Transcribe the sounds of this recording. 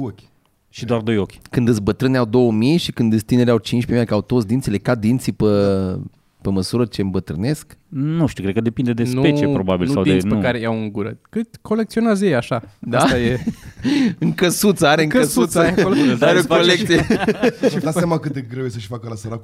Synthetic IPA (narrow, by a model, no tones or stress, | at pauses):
okʲ | ʃid̪oard̪o̞jokʲkɨnd̪ɨt̪sʲbət̪ɾɨneawd̪o̞wəmijʃikɨnd̪ɨt̪sʲt̪ine̞ɾeawt͡ʃint͡ʃʲpemiakawt̪ot̪s̬ʲd̪int̪ile̞kad̪int̪sipə | peməsuɾət͡ʃembət̪ɾɨne̞sknuʃt̪iuwkɾekəd̪e̞pind̪ed̪espet͡ʃiepɾo̞babilsawd̪ieneukaɾejawɨŋɡuɾəkɨkʰo̞lek̪̚sio̞neazjejaʃad̪eaaje | ɨŋkəsut̪səaɾeɨŋəsut̪səleaɾeokolekt̪sie | d̪assjamakɨt̪d̪eɡɾewjesəʃfakəlasəɾa